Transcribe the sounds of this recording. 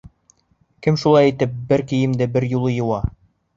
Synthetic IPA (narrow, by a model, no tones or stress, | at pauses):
kɘmʃulˠɑjit̪ɘp̚bɘɾkĭjɘ̆md̪ɘbɘɾjulˠɤjɤ̆wɑ